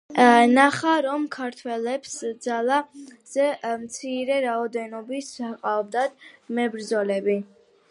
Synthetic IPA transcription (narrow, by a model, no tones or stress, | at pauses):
naχaɾɔmkʰaɾt̪ʰwɛlɛpsd̪zalˠaz̥ɛmt̪sʰiɾɛɾaɔd̪ɛnɔbisqʼaɔb̚d̪ad̪mɛbɾd̪zɔlɛbi